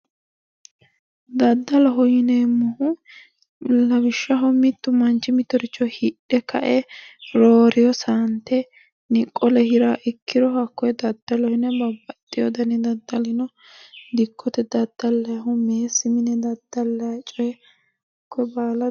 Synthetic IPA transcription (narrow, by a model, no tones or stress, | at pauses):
d̪ɐd̪ːɐlɐɦɔjɪnemʊhʊ | lɐbɪʃːɐɦɔmɪt̪ːʊmɐnt͡ʃːɪmɪt̪ːɔɾɪt͡ʃːɔhɪɗɛkʰɐ̰ʔɛɾoːɾɪjɔsant̪ːɛ | nɪkʼːɔlɛhɪɾaʔɪkʰːɪɾɔhɐkːɔjɛd̪ɐd̪ːɐlɔhɪnɛbɐbːɐt̪ʼːɪjɔd̪ɐnɛd̪ɐd̪ːɐlɪnɔ | d̪ɪkʰːɔt̪ɛd̪ɐd̪̥ːɐlːɐjɐɦɔmeːsɪmɪnɛd̪ɐd̪ːɐlːɐjɐt͡ʃʼɔjɛ | hɐkːɔbaːlɐ